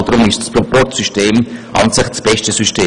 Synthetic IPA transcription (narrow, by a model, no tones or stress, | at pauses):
dɾʊmɪʃtspɾɔpɔrtsyʃteːmʔɑ̰nsɪχsb̥ɛʃtəsyʃteː